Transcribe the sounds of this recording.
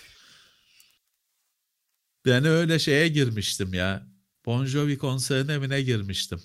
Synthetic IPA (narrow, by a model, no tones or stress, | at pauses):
b̥eniø̞jlʲɛʃe̞jɛɟiɾmiʃt̪ʰimjaː | b̥o̞nʒoβikʰo̞nseɾɯne̞minɛɟiɾmiʃt̪ʰim